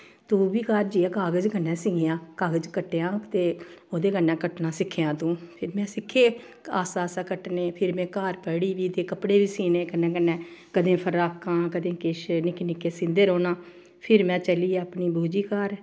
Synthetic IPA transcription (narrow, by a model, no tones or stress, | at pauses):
t̪uːbiːkaːɾd͡ʒiːãːkaːɡəd͡ʒɡənːɛ̃ːsɪŋɡɪjãːkaːɡəd͡ʒkəʈːejãːt̪eːoːd̪eːɡənːɛ̃ːkəʈnãːsɪkʰejãːt̪ũːpʰɪɾmɛ̃ːsɪkʰːeː | aːsaːsaːkəʈneːpʰɪɾmɛ̃ːkaːɾpəːɽiːʋiːt̪eːkəpɽeːʋiːsiːneːkənːɛ̃ːɡənːɛ̃ːkəd̪ẽːpʰəɾaːpkãːkəd̪ẽːkɪʃnɪknɪkːeːsɪ̃nd̪eːɾoːnãː | pʰɪɾmɛ̃ːt͡ʃəliːɛːəpniːbuːd͡ʒiːkaːɾ